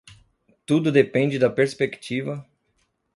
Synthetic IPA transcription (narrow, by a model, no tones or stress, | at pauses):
t̪ud̪ʊd̪epẽnd͡ʒɪd̪ɐpeɾspekt͡ʃivɐ